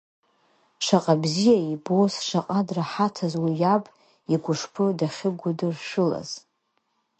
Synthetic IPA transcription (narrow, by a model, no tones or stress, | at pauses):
ʂaqʼabzijaibosʂaqʼadraħatʰazwijabʼ | iɡʷʊʂpʰɨdaχʲɪɡʷʊdɨrʂɨla̰z̥